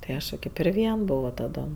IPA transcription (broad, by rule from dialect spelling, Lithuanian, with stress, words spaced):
tɐɪ ˈɐʃ jɛʊ ˈkɐɪp ɪr ˈʋʲiɛn ˈboːʋoː tɐˈdoːm